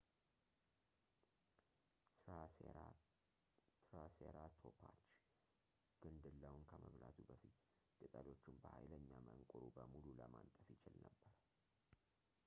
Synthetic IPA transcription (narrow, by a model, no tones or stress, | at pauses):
ɾa | t̪ʰɾaseɾat̪ʰo̞pʰat͡ʃː | ɡ̥ɨnd̪ɨlːəwnkʰəməβlat̪ʰubəfit̪ | t̪ʼɨt̪ʼəlo̞t͡ʃːumbəhajləɲːaməŋkʼuɾubəmululəmant̪ʼəfjɪt͡ʃɪlnəbːəɾə